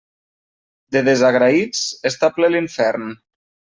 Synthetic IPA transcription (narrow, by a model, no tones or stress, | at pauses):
d̪eðezaɣɾait͡sest̪apleliɱfɛɾn